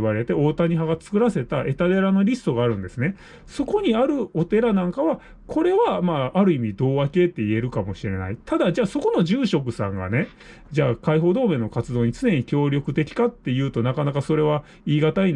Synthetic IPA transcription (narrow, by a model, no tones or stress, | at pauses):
βaɾe̞t̪e̞o̞ːt̪aɲ̟iɦaɡat͡sɨ̥kɯ̟ɾase̞t̪aʔe̞t̪ad̪e̞ɾano̞ɾʲisɨ̥t̪o̞ɡaːɾɯ̟̃nd̪e̞sɨne̞ | so̞ko̞ɲ̟iaɾɯ̟o̞t̪e̞ɾanãŋkaβa | kʰo̞ɾe̞βamaːɾɯ̟imʲid̪o̞ːβake̞t̪ːe̞ie̞ɾɯ̟kamo̞ɕiɾe̞na̰it̪ʰad̪ad͡ʑaːso̞ko̞no̞ʑɨːɕo̞k̬ɯ̟sã̰ŋɡa̰ne̞ | d͡ʑaːkaiɦo̞ːd̪o̞ːmẽ̞nːo̞kat͡sɨd̪o̞ːɲ̟it͡sɨne̞ɲ̟ikʲo̞ːɾʲjo̞kɯ̟t̪e̞kʲi̥kat̪ːe̞jɯ̟ːt̪o̞nakanakaso̞ɾe̞β̞a | iːɡat̪ain